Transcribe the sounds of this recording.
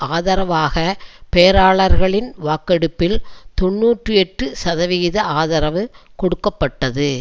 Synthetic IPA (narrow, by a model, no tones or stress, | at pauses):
aːðɐɾɐʋaːɣɐpeːɐɾaːɭɐɾɣɐɭɪnʋaːkɛɽɯpːɪlt̪ɔɳːuːʈrɯɛʈrɯsɐðɐʋɪɣɪðɐaːðɐɾɐʋɯkɔɽɯkːɐpːɐʈːɐðɯ